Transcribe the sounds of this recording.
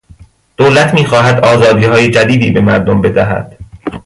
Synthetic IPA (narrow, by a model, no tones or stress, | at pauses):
d̪̥olæt̪ʰmiːxɒːɦæd̪ɒːzɒːd̪iːhɒːjed͡ʒæd̪iːd̪iːbe̞mæɾd̪ombe̞d̪æɦæ̰d̪̥